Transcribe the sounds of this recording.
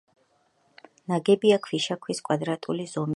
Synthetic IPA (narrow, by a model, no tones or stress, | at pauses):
naɡɛbiakʰwiʃakʰwiskʼwad̪ɾat̪ʼulizɔm